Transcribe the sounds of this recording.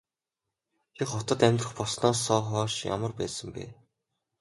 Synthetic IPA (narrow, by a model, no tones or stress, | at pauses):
t͡ɕʰiχɔt̪ɞ̆t̪æmʲt̪rə̆χpɔsnɔːsːɔːχɔːʃja̰mə̆rpæːsə̆mpæ̰ː